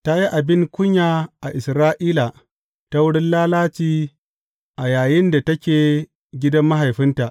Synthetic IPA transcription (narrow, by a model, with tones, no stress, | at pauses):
ta˦ji˦ʔa˨bɪ˦ŋkʷʊ˦ɲjaː˨ʔa˨ʔɪ˨sɾaː˦ʔiː˦la˨ | ta˦wʊ˦ɽɪ˦nlaː˦laː˦t͡ʃiː˦ | ʔa˨jaː˨jɪ˦nda˨tɐ˦kʲeː˨ | ɡʲɪ˦dɐ˦mːa˦ɦa˨jɸɪ˦nta˨ʔ